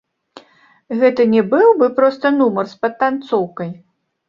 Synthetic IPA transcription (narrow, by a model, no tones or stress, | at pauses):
ɣɛt̪ɨnʲɛbɨwbɨpɾɔst̪ɐnumɐrspɐt̪̚ːant̪sɔwkɐj